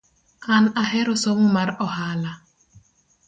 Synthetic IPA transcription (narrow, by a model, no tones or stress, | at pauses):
anaɦɛɾɔsɔmmaɾɔhala